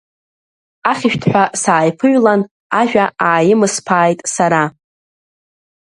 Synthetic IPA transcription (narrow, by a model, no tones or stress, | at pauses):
aχʲɪʃᶣtʰħʷᶣasaːjpʰɨɥᶣlan | aʒᶣaaːjɪmɨspʰaːjtʼsaɾa